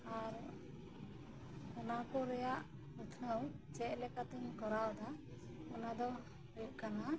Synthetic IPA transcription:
aɾ | ɔnakɔɾɛjaʔ | nət̪ʰəwt͡ʃɛʔlɛkat̪ɛɲkɔɾawd̪a | ɔnad̪ɔ | ɾɛʔkana

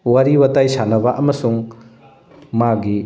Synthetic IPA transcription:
wɐɾiwɐtajsanɐbɐʔɐmɐsuŋ | maɡi

